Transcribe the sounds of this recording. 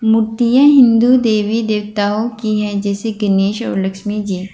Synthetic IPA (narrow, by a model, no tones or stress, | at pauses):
mʊɾt̪ijãɦɪ̃nd̪ud̪eːʋid̪eːʋt̪aːokiɦɛ̃d͡ʒɛːseɡɐneːʃɔ̰ːɾlɐkʃmid͡ʒiː